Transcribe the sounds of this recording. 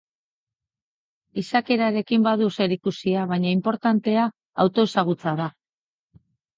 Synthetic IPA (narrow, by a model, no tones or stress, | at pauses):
isake̞ɾaɾe̞kimbaðuse̞ɾikusiaβ̞aɲaimpo̞ɾt̪ant̪e̞aː | wt̪o̞esaɣ̞ut͡saða